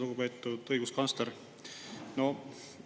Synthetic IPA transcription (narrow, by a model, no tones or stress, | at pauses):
luɡupe̞ːt̪ːˑud̪̥ɤjɡ̥uskɑnst̪leɾ | no̞